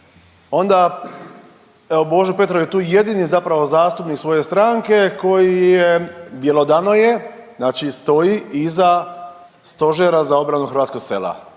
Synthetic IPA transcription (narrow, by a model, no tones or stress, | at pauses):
o̞nd̪a | eobo̞ʒepe̞t̪ɾojet̪uːje̞d̪inizapɾaʋo̞zaːst̪upniksʋo̞je̞st̪ɾaŋke̞ko̞jijebjelˠo̞d̪anoje̞znaːt͡ʃist̪o̞jiʔiza | st̪o̞ʒeɾazao̞bɾanuxɾʋat̪ko̞ɡseːla̰